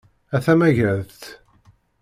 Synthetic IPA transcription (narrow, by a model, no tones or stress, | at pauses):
æθæmæʝæðt̪